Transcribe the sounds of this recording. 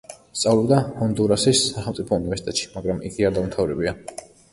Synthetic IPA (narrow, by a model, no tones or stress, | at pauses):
st̪sʼavlɛbd̪ahɔnd̪uɾasisːaχɛlmt̪sʼipʰɔunivɛɾsit̪ʼɛt̪ʃi̥maɡɾamʔḭɡiad̪aumt̪ʰavɾɛbia